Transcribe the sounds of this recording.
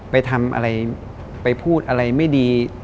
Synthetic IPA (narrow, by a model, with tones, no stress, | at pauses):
pa˧jt̪ʰa˧mʔa̰˧ɾa˧j | pa˧jpʰuː˥˩t̪̚ʔa˧ɾa˧jma˥˩jdiː˧